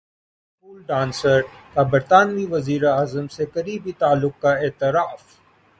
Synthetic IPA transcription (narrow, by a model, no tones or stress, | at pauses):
puːlɖãːnsəɾk̪abɐɾt̪aːnmiʋɐziːɾeaːzəmsekɐɾiːbit̪aːlːʊk̚kaeːt̪ɪɾaːf